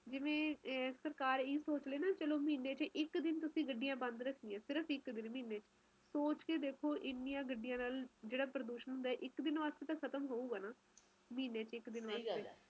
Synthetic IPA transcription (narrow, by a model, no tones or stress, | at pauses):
d͡ʒɪʋẽːsəɾkaːɾiːsoːt͡ʃleːnaːt͡ʃəloːmiːneːt͡ʃʔɪkd̪ɪnt̪ʊsĩːɡəɖːijãːbə̃nd̪ɾəkʰd̪iːãːsɪɾəpʰɪkd̪ɪnmiːneːt͡ʃ | soːt͡ʃkeːd̪eːkʰoːʔɪnːijãːɡəɖːɪjãːnaːld͡ʒeːɽaːpɾəd̪uːʃənɦʊ̃nd̪aːɛːʔɪkd̪ɪnʋaːst̪eːt̪ãːkʰət̪əmɦoːuːɡaːnaː | miːneːt͡ʃɪkd̪ɪnʋaːst̪ːeː